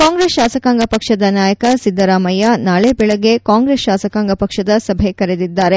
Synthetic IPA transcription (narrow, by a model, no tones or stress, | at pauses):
kaːŋɡɾeːsʃaːsɐkaːŋɡɐpɐkʂɐd̪ɐnaːjɐkɐsid̪ːɐɾaːmɐjanaːɭebɛɭɐɡe̞kaːŋɡɾeːsʃaːsɐkaːŋɡɐpɐkʂɐd̪ɐsɐbʱekɐɾed̪id̪ːaːɾe̞